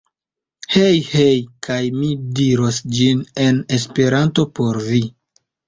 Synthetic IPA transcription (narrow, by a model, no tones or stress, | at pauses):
hejhejkajmidiɾo̞sd͡ʒine̞ne̞spe̞ɾanto̞po̞ɾvi